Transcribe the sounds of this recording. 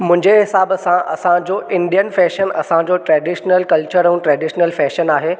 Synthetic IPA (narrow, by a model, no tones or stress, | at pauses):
mʊ̃ɦɪ̃ɲd͡ʑeɦɪsaːbsãʔɐsãd͡ʑoʔɪ̃nɖijənfɛːʃənɐ̰sãd͡ʑoʈɾɛːɖɪʃnəlkɐlt͡ɕəɾɛ̃ʈɾɛːɖɪʃnəlfɛːʃənaːɦeː